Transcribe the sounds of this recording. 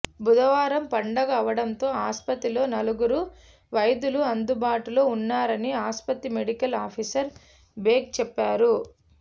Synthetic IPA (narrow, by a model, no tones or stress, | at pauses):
bud̪ɐʋaːɾɐmpɐɳɖɐɡɐɐʋɐɽɐnt̪o̞ːaːspɐt̪ːilo̞ːnɐluɡuɾu | ʋɐjɐd̪uluɐnd̪ubaːʈulo̞ːunːaːɾɐniaːspɐt̪ːimeɽikɐlaːpʰisɐɾ | beːk̚t͡ʃɛpːaːɾu